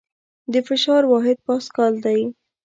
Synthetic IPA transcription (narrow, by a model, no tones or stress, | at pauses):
d̪əfɪʃɑɾwɑɦɪd̪̚pɑskɑld̪aj